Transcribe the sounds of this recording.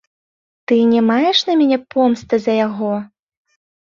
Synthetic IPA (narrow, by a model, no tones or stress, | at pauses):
t̪ɨnʲɛmajɛʂnɐmʲanʲɛpɔmst̪ɨzɐjaɣɔ